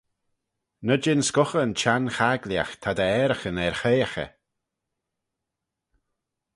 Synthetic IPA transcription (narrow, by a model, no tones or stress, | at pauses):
nəd͡ʒɪnskʊxəənt͡ʃanxaɡlja̰xt̪ʰad̪əɛːɾəxənɛɾxejaxə̰